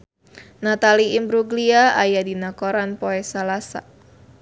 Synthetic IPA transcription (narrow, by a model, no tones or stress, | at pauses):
nat̪aliimbɾuɡliaajadinakoɾanpoɛsalasa̰